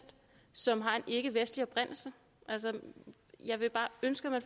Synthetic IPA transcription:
d̥ | sɒ̽mɦɑ̈e̝nʔe̝ɡ̥əʋesd̥liɒ̽b̥ʁɛn̰l̩sə | ʔælsə | jɑ̈ɪʋe̝b̥ɑ̈ːønsɡ̥əmæn

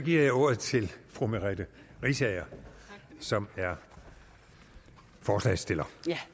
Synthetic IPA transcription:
sɒ̽ɡ̥iɐjɑɪo̝ɐ̰ð̩ˠt͡sʰe̝lfʁumeʁɛd̥əʁisɛɪɐ | sɒ̽mæɐ | fɒːslɛ̰sd̥e̝lɐ

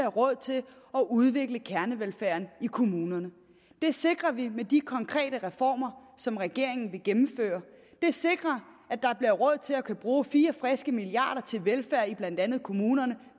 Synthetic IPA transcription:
ɐʁɔ̽ð̞̰ˠt͡sʰe̝l | ɒ̽ʔuð̞ˠʋe̝ɡ̥ləkʰæɐnəʋelfæɐ̰nikʰo̝muːnɐnə | d̥e̝se̝ɡ̥ʁɐʋimed̥ikʰɒ̽ŋkʰʁɛ̰ːɾəʁɛfɒ̰ːmɐsɒ̽mʁɛɡ̥e̝ɐe̝ŋn̩ʋe̝ɡ̥emm̩fø̰ːɐ | d̥e̝se̝ɡ̥ʁɐ | æd̥ɑ̈b̥liɐʁɔ̽ð̞̰ˠt͡sʰe̝lɒkʰæb̥ʁuːfiːɐfʁɛsɡ̥əmiliɑ̰̈ːɾ̥ɐt͡sʰe̝lʋelfæɐ̰ib̥læn̰d̥ænð̩ˠkʰo̝muːnɐnə

